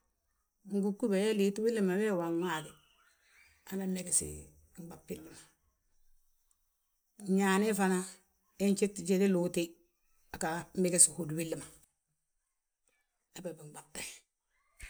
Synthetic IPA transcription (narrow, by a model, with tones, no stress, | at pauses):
ŋ̩˦ɡu˦kːu˦be˨je˦li˨twi˦lːi˦˨ma˨we˦˨wa˨ŋwa˨di˨ | a˨na˦ne˨ɡe˨sḭ˨ | ŋ͡mba˨pːi˦lːi˨ma˨˦ | ɲa˨ne˦fa˦na˦ | e˦ɲt͡ʃe˦tːt͡ʃe˦di˦lu˦ti˦ | a˨ka˨m˦e˦ɡe˦si˨hu˨dwi˦lːi˨ma˨ | e˦be˨bi˨ŋ͡mɡ͡ba˨b̚te˨